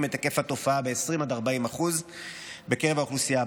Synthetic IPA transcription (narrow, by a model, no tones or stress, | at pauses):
met̪ake̞fhat̪o̞faabe̞esʁimad̪aʁbaimaχuzbe̞keʁevaoχlusija